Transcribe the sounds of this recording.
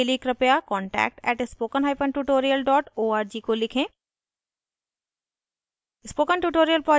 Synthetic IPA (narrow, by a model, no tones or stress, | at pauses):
eliːkɾɐpjakɔ̃ːɳʈɛ̰ːk̚ʈɛ̰ːʈspoːkənɦaːɪpənʈuʈoːɾijəlɖɔːʈoːaːɾd͡ʒiːkolɪkʰẽː | ɪspoːkənʈuʈoːɾijəlpɾɔː